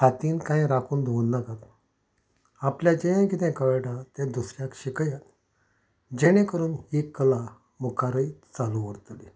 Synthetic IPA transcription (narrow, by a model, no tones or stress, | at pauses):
kʰat̪iːnkãjɾakʰuːnd̪ʱounːakat̪ | apljad͡ʑejãkit̪ɛ̃kəʋeʈãt̪ẽd̪usɾjakɕikəjat̪ | d͡ʑeɽ̃ẽkəɾuːnhikːəla | mukaɾəjt͡saluʋəɾt̪li